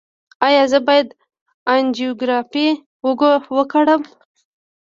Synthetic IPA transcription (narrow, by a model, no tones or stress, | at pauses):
ɑjɑzəbɑjad̪ | and͡ʒoɡɾɑfe | wəɡowəkaɽəm